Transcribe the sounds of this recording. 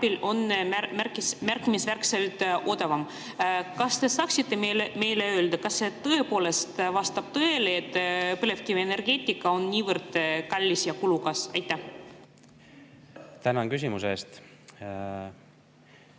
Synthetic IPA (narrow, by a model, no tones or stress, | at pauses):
ɑb̥ilo̞næmærkismærkːˑimisværkse̞lt̪ʔo̞d̪ɑvɑm | kɑst̪e̞sɑːksit̪ːe̞mme̞jleøːld̪̥ɑkɑsːet̪ɤ̞e̞poːle̞st̪vɑst̪ɑb̥̚t̪ɤe̞leet̪ːˑpɯle̞vkivene̞rɡe̞ːt̪ʲːˑikːˑɑo̞nnʲiːvɤrd̪̥kɑlʲːisjɑkulukɑsɑ̰jt̪ːˑæh | t̪ænɑnkys̬ʲimusest̪